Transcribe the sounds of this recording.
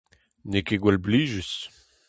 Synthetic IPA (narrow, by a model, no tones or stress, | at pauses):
nekeɡwɛlbliːʒys